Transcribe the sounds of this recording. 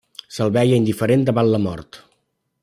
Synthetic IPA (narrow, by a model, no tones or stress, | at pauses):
səlˠβɛjəind̪ifəɾend̪əβanləmɔ̰ɾt̪